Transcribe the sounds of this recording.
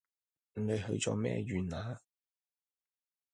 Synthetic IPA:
ne˨˧jhɵ̰˧ɥt͡sɔ̰ː˨˧mɛ̰ː˥jyː˨˧naː˨˧˥

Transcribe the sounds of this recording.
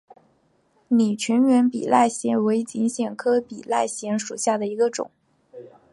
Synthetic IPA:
ni˨˩t͡ɕʰɛ˧˥nɥɛ˧˥npḭ˨˩la˥˩ɪɕjɛ˧˥nwe˧˥ɪt͡ɕi˧˥ŋɕjɛ˨˩nkʰɤ˥pi˨˩la˥˩ɪɕjɛ˧˥nʂu˨˩ɕja˥˩d̪ə˩i˧˥ɡə˧ʈ͡ʂʊ̰˨˩˦ŋ

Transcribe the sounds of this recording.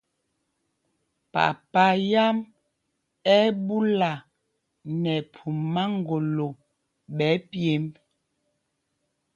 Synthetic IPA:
pa̰˨pa˨˦ja˦m | ɛ˦bu˦la˨ | nɛ˨pʰu˨mmːa˦ŋ˦ɡo˨lo˨ | ɓɛ˨˦pje˨˦m

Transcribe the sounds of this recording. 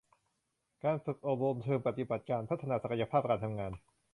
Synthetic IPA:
kaː˧nfɯ˨˩k̚ʔoː˨˩p̚ɾo˧mt͡ɕ̪ʰɤː˧mpa˨˩t̪i˨˩ba˨˩t̪̚kaː˧npʰa˦˥t̪ʰːa˧naː˧sa˨˩ka˧ja˧pʰaː˥˩p̚kaː˧nt̪ʰa˧mŋaː˧n

